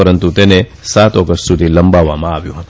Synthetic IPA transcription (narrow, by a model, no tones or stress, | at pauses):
ɐɾənt̪ut̪eːnesaːt̪oːkəst̪ut̪ilɐmbaːʋaːmãːbjuɦã